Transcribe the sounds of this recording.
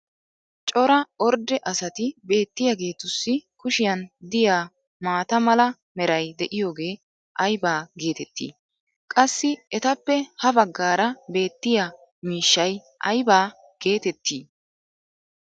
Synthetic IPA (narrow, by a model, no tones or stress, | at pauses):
t͡ʃʼɔɾɐɔɾd̪ɛʔɐsɐt̪ɪbe̞ːt̪ːɪjaɡe̞ːt̪ʊsːɪkʊʃɪjɐnd̪ɪjaː | maːt̪ɐmɐlɐ | mɛɾɐjd̪ɛʔɪjo̞ːɡe̞ː | ʔɐjbaːɡe̞ːt̪ɛt̪ːḭː | kʼɐsːɪɛt̪ɐpːɛhɐbɐɡːaːɾɐbe̞ːt̪ːɪja | miːʃːɐj | ʔɐjbaː | ɡ̥e̞ːt̪ɛt̪ːiː